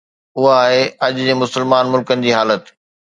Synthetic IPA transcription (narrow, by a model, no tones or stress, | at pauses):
ʊɦaːɦeɐʄʊd͡ʑeːmʊsəlmaːnmʊlkənɪ̆d͡ʑiːɦaːlət̪